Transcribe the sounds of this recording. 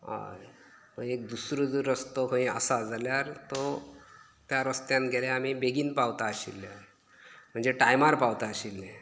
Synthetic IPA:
ɦa̰j | mə̃ek̚d̪usɾod͡zəɾəst̪oɦõĩə̰sad͡zʱaljaɾt̪ɔ | t̪jaɾəst̪janɡʱelẽamibeɡiːnpawt̪aəɕḭlːja | m̤əɳd͡zeʈajmaɾpawt̪aəɕilːe

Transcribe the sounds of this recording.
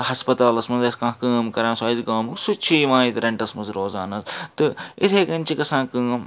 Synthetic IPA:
hɐspɐt̪aːlɐsmɐnzɐskãːɦkəːmkɐɾãːnsɐːzɡaːmɨksut͡ʃʰiːʋãːit̪ɾɐ̃ɳʈɐsmɐnzɾoːza̰ːnɐzt̪ɨit̪ʰeːkɐnʲt͡ʃʰikɐsãːkəːm

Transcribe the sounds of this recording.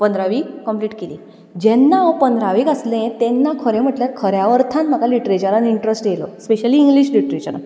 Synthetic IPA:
pənd̪ɾaʋikəmpliːʈkelḭː | d͡ʑɛnːaʋəpənd̪ʱɾaʋikəslẽt̪ɛnːakʰəɾẽm̤əʈljaɾkʰəɾjaʋəɾt̪ʰãnm̤əkaliʈɾet͡ɕəɾaniɳʈɾesʈjelospeɕəliːŋɡliɕliʈɾet͡ɕəɾa̰

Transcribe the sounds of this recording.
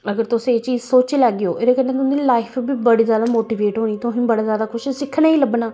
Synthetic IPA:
əɡəɾt̪ʊsĩeːt͡ʃiːzsoːt͡ʃːlɛːɡeoːʔeːdeːkənẽːt̪ʊĩlaːɪpʰbiːbəɽiːzjaːd̪aːmoːʈiːʋeːʈɦoːñiːt̪ʊɦĩːbəɽaːzjaːd̪aːkʊʃʰsɪkʰnaːiːləbnaː

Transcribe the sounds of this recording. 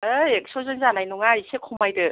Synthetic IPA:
ɯek̚sɔzɯnzanajnɔŋajsekʰɔmajdɯ

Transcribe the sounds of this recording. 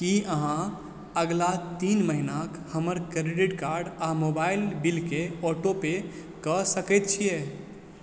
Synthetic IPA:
kiəɦã | əɡlat̪iːnməɦinakhəməɾkɾeɖiʈkaɾɖamobaɪlbilkeɔʈope | kəsəkɛt̪̚t͡ʃʰije

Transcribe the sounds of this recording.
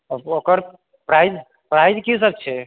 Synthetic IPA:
okəɾ | pɾajd̪ | pɾajd̪kis̬əb̚t͡ʃʰe

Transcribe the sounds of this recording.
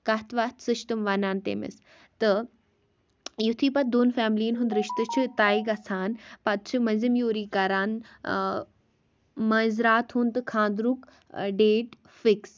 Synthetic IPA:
kat̪ʰʋaːt̪sɨʃt̪ɐmʋaːnaːnt̪ḛːmḛs | t̪ɐ | jut̪ʰiːpɐt̪̚d̪oːnfaːmliːnɦund̪ɾɪʃt̪ɨt͡ʃʰit̪aːiɡɐsaːnpɐt̪̚t͡ʃʰumɐzimjoːɾiːkaːɾaːn | mɐːzɾaːt̪ɦuːnt̪ɨkʰãːnd̪ɾuk | ɖeːʈ | fɪks

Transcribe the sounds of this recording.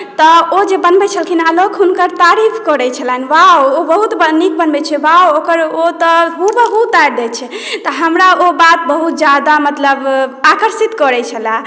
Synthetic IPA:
t̪ɔod͡ʒebənbɛt͡ʃʰəlkʰinalokɦunkəɾt̪aɾipʰkəɾɛt͡ʃʰəlɛnʋaoobəɦut̪bənik̚bənbɛt͡ʃʰɛʋaokəɾot̪ɔɦubəɦut̪ːajɾd̪ɛt͡ʃʰɛ | t̪ɔɦəmɾaʔobat̪̚bəɦut̪̚d͡ʒad̪amət̪ləbakəɾsit̪kɔɾɛt͡ʃʰəla

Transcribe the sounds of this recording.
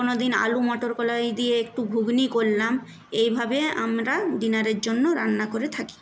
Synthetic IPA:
konod̪ina̰lumɔʈoɾkɔlajd̪ieek̚ʈubʱuɡnikollam | ejbʱabea̰mɾaɖinaɾeɾd͡ʑonːoɾanːakoɾet̪ʰaki̥

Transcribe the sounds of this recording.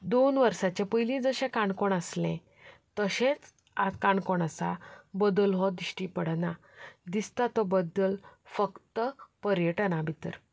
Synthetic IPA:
d̪onʋəɾsat͡ɕepəjlĩd͡zəɕẽkaɳkoɳəslḛ̃ | t̪əɕẽt͡s | akaɳkoɳəsa̰bəd̪əlɦɔd̪iɕʈipəɽna | d̪ist̪at̪ɔbəd̪ːəlfəkt̪əpəɾjəʈənabʱit̪əɾ

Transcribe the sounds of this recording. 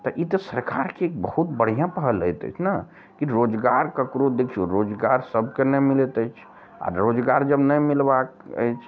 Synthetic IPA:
t̪ɔʔit̪ɔsəɾkaɾkeːk̚bəhut̪bəɽ̤ijãpəɦələjt̪ə̰jt͡ʃʰna | kiɾod͡ʒɡaɾkəkɾod̪ekʰuɾod͡ʒɡaɾsəbʱkenɛmilet̪ət͡ʃʰ | a̰ɾod͡ʒɡaɾd͡ʒəbnəjmilbakə̰jt͡ʃʰ

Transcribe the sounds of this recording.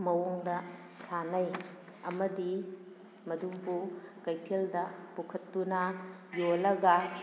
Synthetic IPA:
mɐwoŋdɐ | sanɐj | ɐmɐdi | mɐduŋpukɐjtʰeldɐpukʰɐtːunɐjolɐɡɐ

